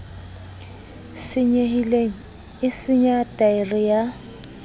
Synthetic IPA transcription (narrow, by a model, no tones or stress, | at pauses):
sɪɲehileŋ̩ | ɪsɪɲatʼaɪrɪja